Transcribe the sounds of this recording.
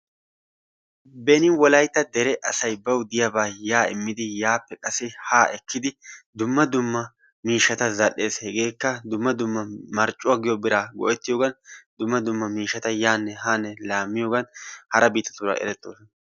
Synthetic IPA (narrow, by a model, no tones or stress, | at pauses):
bɛnɪwɔlɐjt̪ːɐd̪ɛɾɛʔɐsɐjbɐwd̪ɪjabaːjaːɪ̰mːɪd̪ɪjaːpːɛkʼɐsɪhaːʔɛkːɪd̪ɪd̪ʊmːɐd̪ʊmːɐ | miːʃːɐt̪ɐzɐlːe̞ːshɛɡe̞ːkːɐd̪ʊmːɐd̪ʊmːɐmɐɾt͡ʃʼːʊwaɡɪjɔbɪɾaːɡɔ̰ʔɛt̪ːɪjoːɡɐnd̪ʊmːɐd̪ʊmːɐmiːʃːɐt̪ɐjaːnːɛɦaːnːɛlaːmːɪjoːɡɐnhɐɾɐbiːt̪ːɐ̥t̪ʊɾɐ̰ɛ̰ɾɛt̪ːo̰ːsɔn